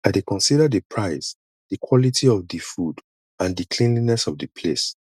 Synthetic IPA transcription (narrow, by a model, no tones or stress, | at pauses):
aɪdekɔ̃nsidədipʰɹaɪs | d̥əkʰwɔlitiɔvdifud | ãndikʰlĩnlinɛsɔvdəpʰles